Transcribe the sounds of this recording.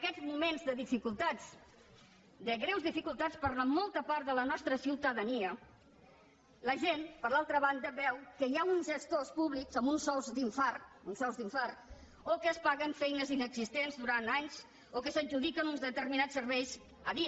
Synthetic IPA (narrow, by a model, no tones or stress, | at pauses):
əkɛzmumenzðəðifikulˠt̪at͡s | d̪əɣɾɛwzðifikulˠt̪at͡spəɾləmɔlˠt̪əpaɾt̪ðələnɔst̪ɾəsiwt̪əðəniə | ləʒenpəɾlalˠt̪ɾəβand̪əβɛwkəjaunzʒəst̪ospuβlikzəmbunsɔwzd̪iɱfarunsɔwzðiɱfar | okəːspaɣəɱfɛjnəzinəɡzist̪enzðuɾant̪aɲz | okəsəd͡ʒuðikənunzðət̪ərminat͡ssːəɾβɛjz | əði